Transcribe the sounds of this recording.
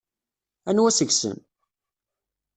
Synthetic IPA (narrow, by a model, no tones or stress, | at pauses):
ænwæsəɡsə̰n